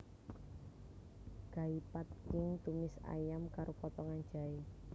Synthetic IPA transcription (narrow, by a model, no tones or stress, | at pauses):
ɡ̥a̤ipat̪̚kɪŋt̪umɪsa̰jamkaɾopɔt̪ɔŋan̥d͡ʒa̤i